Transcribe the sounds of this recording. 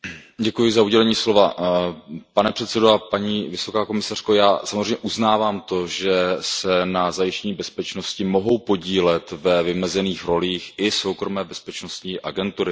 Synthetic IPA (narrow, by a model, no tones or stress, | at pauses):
ɟɛkujɪzauɟɛlɛɲiːslo̞va | panɛpr̝̥ɛt̪sɛdoapaɲiːvɪso̞kaːko̞mɪsar̥ko̞jaːsamozrejmɲɛʔuznaːvaːmt̪o̞ʒɛsɛnazajɪʃcɛɲiːbɛspɛt͡ʃno̞scɪmo̞ɦo̞wpo̞ɟiːlɛt̪vɛvɪmɛzɛniːxɾo̞liːxʔɪso̞wkɾo̞mɛːbɛspɛt͡ʃno̞st̪ɲiːʔaɡɛnt̪uɾɪ